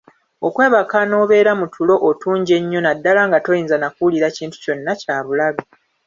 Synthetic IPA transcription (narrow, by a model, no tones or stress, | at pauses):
okwe̞ːβakano̞ːβe̞ːɾamutʰulo̞ʔotuːɲɟe̞ɲːo̞nadːalaŋɡato̞jiːnzanakuliɾaciːntu̥co̞nːacaːβulaβi